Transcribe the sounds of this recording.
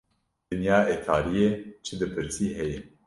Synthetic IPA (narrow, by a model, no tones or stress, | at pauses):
d̪ɨnjɑːeːt̪ʰaːɾijeːt͡ʃʰɨd̪ɨpʰɨɾsiːɦɛjɛ